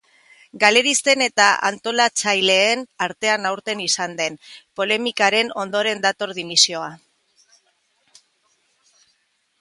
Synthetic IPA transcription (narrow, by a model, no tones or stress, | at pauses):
ɡale̞ɾist̪e̞ne̞t̪aʔa̰nt̪o̞lat͡sajle̞ːnaɾt̪e̞anawɾt̪e̞nisand̪e̞npo̞le̞mikaɾe̞no̞nd̪o̞ɾe̞nd̪at̪o̞ɾðimisio̞a